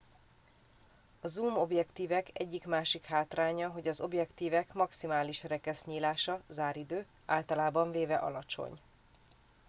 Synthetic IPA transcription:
ɒzuːmo̞bjɛkt̪iːvɛkʰɛ̰ɟːikmaːʃikhaːt̪raːɲɒɦo̞ɟɒzo̞bjɛkt̪iːvɛkmɒksimaːliʃrɛkɛsɲiːlaːʃɒzaːɾid̪øː | a̰ːlt̪ɒlaːbɒɱveːvɛʔɒ̰lɒt͡ʃo̰ɲ

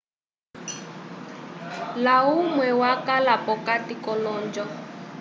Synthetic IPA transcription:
laumwɛwakalapɔkatikɔlɔːnd͡ʒɔ

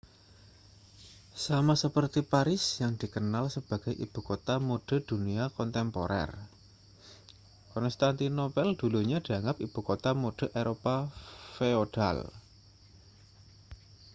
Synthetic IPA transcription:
samasəpərt̪ipaɾɪsjaŋd̪̥i̤kənalsəb̥a̤ɡ̥a̤jʔḭb̥ṳkot̪amoɖ̥ə̤d̪̥uniakɔnt̪ɛmpo̰ɾʔɛ̰r | kɔnst̪ant̪inopɛld̪̥uluɲad̥̪iaŋɡap̚ib̥ṳkot̪amoɖ̥ə̤ʔeɾopafeod̥a̰l

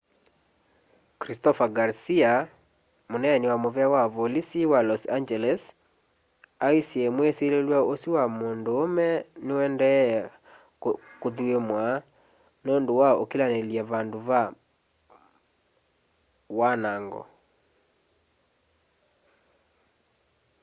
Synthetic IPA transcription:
kɾistɔfaɡaɾsia | monɛniwamoβɛawavolisiwalɔsand͡ʒɛlɛs | aisiɛmweselelwaosiwamondoːmɛnewɛndɛ | koðuemwa | nondowao̰kilaneljaβaːndoβa | wanaːŋɡɔ̰

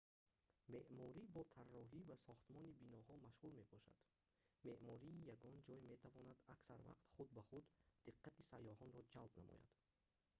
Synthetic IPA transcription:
me̞ʔmɔɾibɔt̪ʰarːɔɦivasɔχt̪mɔnibinɔhɔmaʃʁulme̞bɔʃa̰d̪̥ | me̞ʔmɔɾiːjaɡɔnd͡ʒɔjime̞t̪ʰavɔnad̪aksa̰ɾva̰qt̪χud̪̚baχud̪ːiqʰːat̪isajːɔhɔnɾɔd͡ʒalbnamɔ̰ja̰d̪̥

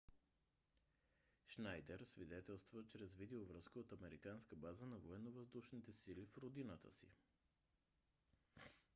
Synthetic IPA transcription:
ʃnajd̪ɛɾsvid̪ɛt̪ɛlˠst̪vət͡ʃɾɛzvid̪ɛovɾɤskəot̪ɐmɛɾikanskəbazənɐvoɛnːovɐzd̪uʃnit̪ɛsilifɾod̪inət̪ə̰sḭ

